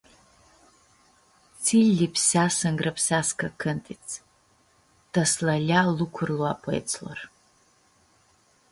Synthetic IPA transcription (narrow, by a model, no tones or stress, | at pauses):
t͡sʰilʲːipʰsasɨŋɡrapʰsʲaskʰakʰɨntʼit͡sʰ | d̥aslaɮʲalukʷʰʊrluapʰɨj̰t͡sʰla̰r